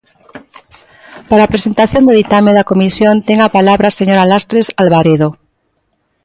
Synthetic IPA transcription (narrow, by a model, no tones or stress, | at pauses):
paɾaːpɾesent̪aθjond̪eðit̪ameðakomisjõnt̪eŋapalaβɾaseɲoɾalast̪ɾesalβaɾeð̞o